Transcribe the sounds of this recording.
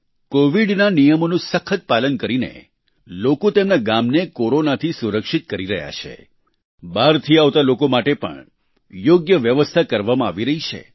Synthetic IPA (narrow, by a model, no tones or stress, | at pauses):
koʋiɖnanijəmonũsəkʰət̪̚palənkəɾinḛ | lokot̪emnaɡamnekoɾonat̪ʰisuɾəkʃit̪̚kəɾiɾəɦja̰t͡ʃʰḛ | baɾt̪ʰiaʋt̪alokomaʈepə̰ɳ | joɡjəʋjəʋəst̪ʰakəɾʋamãaʋiɾəɦit͡ʃʰḛ